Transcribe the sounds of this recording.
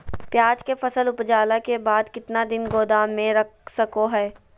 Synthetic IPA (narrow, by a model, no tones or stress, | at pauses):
pjaːd͡ʒkefɐsəlʊpd͡ʒaːlakebaːd̪kɪt̪nad̪ɪnɡoːd̪aːnmẽɾɐk̚ʰsɐkoɦɛː